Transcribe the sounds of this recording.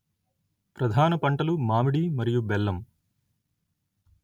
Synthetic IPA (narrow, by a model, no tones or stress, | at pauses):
pɾɐd̪ʱaːnɐpɐɳʈɐlumaːmiɽimɐɾijubɛlːɐm